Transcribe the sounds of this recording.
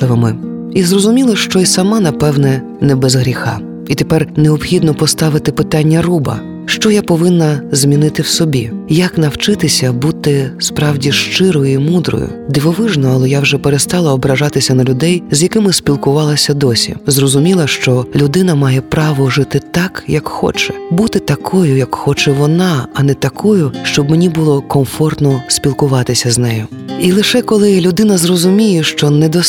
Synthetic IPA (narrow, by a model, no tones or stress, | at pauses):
ɪʋɪmɪ | izrɔzʊmʲilˠɐʃt͡ʃɔisɐmɑnɐpɛwnɛ | nɛbɛzɦɾʲixɑ̰ | it̪epɛrneɔbxʲid̪nɔpɔst̪ɑʋɪt̪ɪpɪt̪ɑnʲːɐrubɐ̰ | ʃt͡ʃɔjapɔʋɪnːɐzmʲinɪt̪ɪwsɔbʲijɐknɐwt͡ʃɪt̪ɪsʲɐbut̪ɪspɾɑwdʲiʃt͡ʃɪɾɔjʊimud̪ɾɔ̰jʊ̰ | d̪ɪʋɔʋɪʒnɔɐlˠɛjawʒɛpeɾest̪ɑlˠɐɔbɾɐʒɑt̪ɪsʲɐnɐlʲʊd̪ɛjzʲjɐkɪmɪsʲpʲilˠkʊʋɑlˠɐsʲɐd̪ɔsʲḭzrɔzʊmʲilˠɐʃt͡ʃɔlʲʊd̪ɪnɐmɑjɛpɾɑʋɔʒɪt̪ɪt̪ɑkjɐkxɔ̰t͡ʃɛbut̪ɪt̪ɐkʰɔjʊjɐkxɔt͡ʃɛʋɔnɑɐnɛt̪ɐkʰɔjʊʃt͡ʃɔbmenʲibʊlˠɔkɔmfɔrt̪nɔspʲilˠkʊʋɑt̪ɪsʲɐznɛjʊ | ilˠɪʃɛkɔlˠɪlʲʊd̪ɪnɐzrɔzʊmʲijɛʃt͡ʃɔnɛd̪ɔ